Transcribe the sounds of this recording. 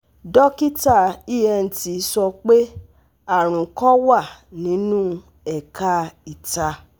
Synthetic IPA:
dɔ˦ki˦ta˦˨i˦˨ɛ˧n̩˨ti˨˦sɔ˧k͡pe˦ | a˦˨ɾ̃ũ˨kɔ˦wa˦˨nĩ˨˦nũ˦ | ɛ˨ka˦i˨ta˧

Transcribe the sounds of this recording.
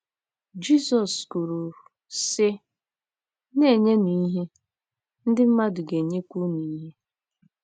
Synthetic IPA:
d͡ʒi˦˨sɔ˨sku˨ɾu˨ | sɪ˦ | ne˦˨ɲe˦ni˨˦ɦe˦ | n̩˦dɪ˦m̩˦ma˦dʊ˨ɡe˨ɲe˦kʷu˦ni˨i˦ɦe˦

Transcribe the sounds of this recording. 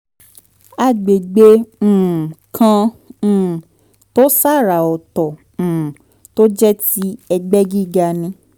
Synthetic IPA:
a˦˨ɡ͡be˨ɡ͡bẽ˧˨ | kʰã˧˨ | to˦sa˦˨ɾa˨ɔ˨tɔ̃˨ | to˦d͡ʒɛ˦ti˦ɛ˧ɡ͡bɛ˦ɡi˦˨ɡa˧˨nĩ˧˦

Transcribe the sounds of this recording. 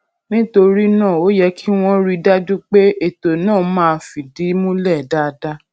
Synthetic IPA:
nĩ˦to˧ɾi˦nãː˦˨o˨˦jɛ˧kʰi˦w̃ɔ̃˦ɾi˦da˦d͡ʒu˦k͡pe˦e˨to˨nãː˦˨˦mãː˦fi˨di˨˦mũ˦lɛ˦˨da˦˨da˦

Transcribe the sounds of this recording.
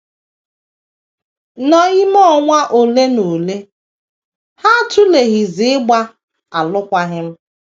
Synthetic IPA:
nɔ˨i˦m˦ɔ˦ŋʷa˦ʔo˨le˦no˨le˦ | ha˦˨tʊ˦le˨ɣi˨zɪ˨ɪ˦ɡ͡ba˦ | a˨lʊ˦kʷa˦ɣɪ˦m̩˦

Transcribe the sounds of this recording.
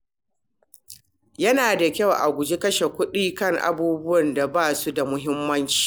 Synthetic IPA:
jɐ˦naː˨da˨kʲɐ˦wʔa̰˨ɡʷʊ˨d͡ʒe˦kɐ˦ʃe˨kʷʊ˦ɗiː˦kɐ˦˨ŋʔa̰˨buː˦bʊ˦wɐ˨nda˨baː˦˨su˦da˨mʊ˦ɦɪ˦mːɐ˦nt͡ʃi̥ː˨

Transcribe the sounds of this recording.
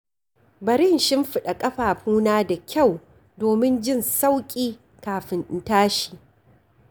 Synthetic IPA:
bɐ˨ɾɪ˦nʃɪ˦mɸɪ˦ɗa˨kʼɐ˦ɸaː˨ɸuː˦naː˦da˨kʲʰa˦˨w | doː˨mɪ˦nd͡ʒɪ˦˨nsa˦wkʲʼiː˦ | kaː˨ɸɪ˨nɪ˨ntaː˦ʃi̥ː˨

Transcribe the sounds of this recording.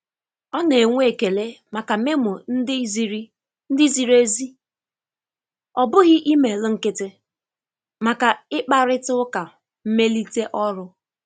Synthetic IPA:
ɔ˦ne˨ŋʷ˦e˨ke˨le˦ma˨ka˨me˦mʊ˨n̩˦dɪ˦zi˨ɾi˦ | n̩˦dɪ˦zi˨ɾe˦zi˦ | ɔ˨bʊ˦ɣɪ˦ʔi˦me˨lɪ˦ŋ̩˦kɪ˦tɪ˦ | ma˨ka˨ɪ˦k͡pa˦ɾɪ˦tʊ˦ʊ˦ka˨ | m̩˦me˦li˦te˦ʔɔ˦ɾʊ˦

